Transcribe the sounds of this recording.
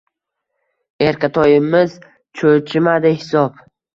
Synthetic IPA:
eɾkʲat̪ʰɒjɪmɪz | t͡ʃʰot͡ʃʰɪmad̪ɪhɪsɒp

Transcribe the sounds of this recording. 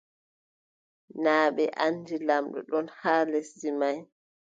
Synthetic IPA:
naːɓɛʔandilamɗɔ̰ɗɔnhaːlesdimaj

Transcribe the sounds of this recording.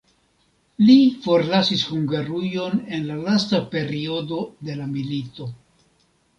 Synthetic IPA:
lifo̞ɾlasishuŋɡaɾujo̞ne̞nlalastape̞ɾio̞do̞de̞lamilito̞

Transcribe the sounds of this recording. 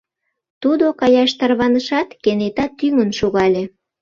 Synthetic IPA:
t̪ud̪okɑjɑʃt̪ɑrβɑnəʃɑt̪kenet̪ɑt̪yŋənʃuɣɑlʲe

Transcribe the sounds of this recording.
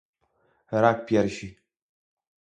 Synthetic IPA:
ɾak̚pjɛɾʃi

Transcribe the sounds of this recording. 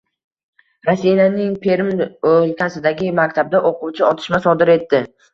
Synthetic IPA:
ɾasːijanɪŋpʰe̞ɾɪmolkʲʰasɪd̪aɡʲɪmakʲt̪ʰab̚d̪aʔoqʰuwt͡ʃʰɪɒt̪ʰɪ̥ʃmasɒd̪ɪɾe̞t̪ːɪ

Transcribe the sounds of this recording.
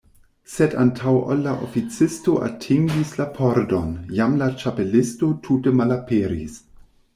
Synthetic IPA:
sedantʰawʔolaʔo̰fit͡sɪstoʔa̰tʰiŋɡislapʰoɾdonjamlat͡ʃapelɪstotʰutəmalapeɾḭs

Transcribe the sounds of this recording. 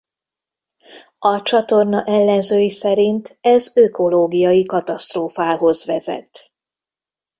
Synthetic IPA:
ɒt͡ʃɒt̪o̞rnɒʔɛlːɛnzøːjisɛɾint̪ɛzøko̞loːɡijɒjikɒt̪ɒst̪roːfaːɦo̞zʋɛzɛ̰t̪

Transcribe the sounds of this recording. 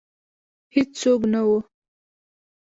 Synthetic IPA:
hit͡ssok̬nawo

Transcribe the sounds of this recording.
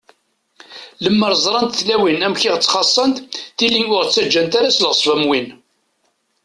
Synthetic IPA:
ləmːəɾˤzˤɾˤɑnt̪θlæwinæmçiʁt͡sːχɑsˤːənt̪θilinʊɾt͡sːæd͡ʒːænt̪aɾæslʁəsˤvæmwin

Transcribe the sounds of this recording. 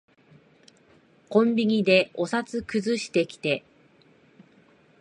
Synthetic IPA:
kõ̞mbʲiɲ̟ʲid̪e̞o̞sat͡sɨkɯ̟zɨɕi̥t̪e̞kʲi̥t̪e̞

